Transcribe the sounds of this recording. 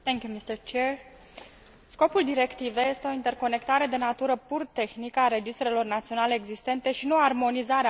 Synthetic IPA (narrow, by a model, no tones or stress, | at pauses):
t̪ɛŋkjumist̪əɾt͡ʃeɹ | sko̞puld̪iɾe̞kt̪ive̞je̞st̪e̞oint̪e̞rko̞ne̞kt̪aɾe̞d̪e̞nat̪uɾəpurt̪e̞xnikəaɾe̞d͡ʒist̪ɾe̞lo̞rnat̪sio̞nale̞ːɡzist̪e̞nt̪e̞ʃinuoarmo̞nizaɾe